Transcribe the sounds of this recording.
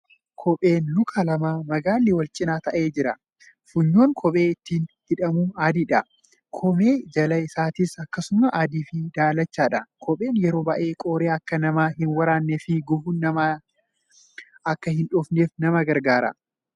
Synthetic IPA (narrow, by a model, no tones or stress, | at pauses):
kʰɔpʼe̞ːnlʊkʰalɐmaːmɐɡaːlːɪwɐlt͡ʃʼɪnaːt̪ɐʔe̞ːd͡ʒɪɾɐ | fʊɲːoːŋkʰɔɓʼe̞ːɪt̪ːiːnhɪᶑɐmuːaːd̪iːᶑɐ | kʰɔme̞ːd͡ʒɐlɐɪsaːt̪ɪsɐkːɐsʊmɐʔaːd̪iːfɪd̪aːlɐt͡ʃːaːᶑɐkʰɔpʼe̞ːnjɛɾo̞ːbɐʔe̞ːkʼoːɾeːɐkːɐnɐmaːɦɪnwɐɾaːnːɛfɪɡɔfunːɐma | ɐkːɐhɪnᶑɔfne̞ːfnɐmɐɡɐɾɡaːɾɐ̰